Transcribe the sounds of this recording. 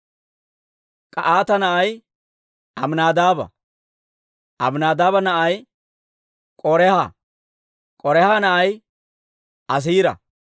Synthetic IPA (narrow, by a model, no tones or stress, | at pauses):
kʼɐʔaːt̪ɐnɐʔɐj | ɐmnaːd̪aːbɐ̰ | ʔɐ̰bnaːd̪aːbɐnɐʔɐj | kʼɔɾɛhɐ | kʼɔɾɛhɐnɐʔɐj | ʔɐs̬iːɾɐ̰